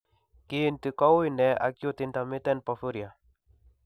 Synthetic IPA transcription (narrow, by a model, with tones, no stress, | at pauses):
ki˦˨nti˨kɔ˦wi˦nɛ˨ʔa̰˨kjo˦tɪ˨nt̪a˨mɪ˦tɛ˦npɔ˨fu˦ɾi˨a˨